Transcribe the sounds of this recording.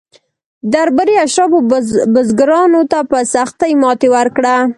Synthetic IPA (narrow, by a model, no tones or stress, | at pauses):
d̪aɾbəɾeaʃɾɑbobəzɡɾɑnot̪apəsaxt̪ajmɑt̪ewəɾkɽa